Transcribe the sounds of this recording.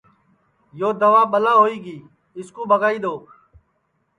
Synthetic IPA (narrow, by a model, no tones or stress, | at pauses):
joːd̪əʋaːɓəlaːɦoːiːɡiː | ɪskũːɓʱəɡaːiːd̪oː